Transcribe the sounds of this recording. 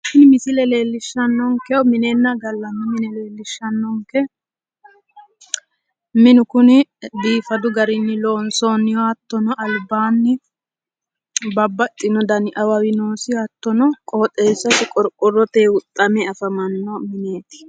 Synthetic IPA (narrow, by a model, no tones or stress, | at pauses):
ʃɪnmɪsɪlɛleːlːɪʃːɐnːɔŋkɛɔmɪneːnːɐɡɐlːɐmːɪmɪnɛleːlːɪʃːɐnːɔŋkɛ | mɪnʊkʊnɪbiːfɐd̪ʊɡɐɾɪnːɪloːnsoːnːɪjɔɐt̪ːɔnɔʔɐlbaːnːɪ | bɐbːɐt̪ʼːɪnɔd̪ɐnɪʔɐwɐwɪnoːsɪɐt̪ːɔnɔkʼoːt̪ʼe̞ːsːɐsɪkʼɔɾkʼɔrːɔt̪eːʊt̪ʼːɐmɛɐfɐmɐnːɔmɪneːt̪ɪ̥